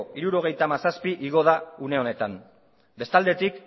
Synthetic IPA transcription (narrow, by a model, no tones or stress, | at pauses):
iɾuɾo̞ɣ̞e̞jt̪amasaspiʔiɣ̞o̞ð̞aune̞o̞ne̞t̪am | be̞st̪ald̪e̞t̪ik